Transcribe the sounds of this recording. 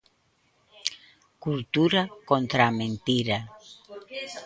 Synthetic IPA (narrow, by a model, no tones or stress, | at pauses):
kult̪uɾakont̪ɾamẽnt̪iɾa